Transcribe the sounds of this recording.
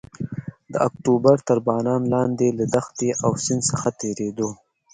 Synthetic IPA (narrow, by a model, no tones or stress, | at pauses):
d̪əakʈubaɾt̪əɾbɑːnɑːnlɑːnd̪elad̪axt̪eʔawsɪnsəxat̪eɾed̪o